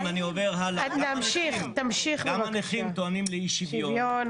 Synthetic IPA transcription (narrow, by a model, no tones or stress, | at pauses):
manioveʁɦalanamʃiχt̪amʃiχlmaaneχimt̪oanimleiʃivjojon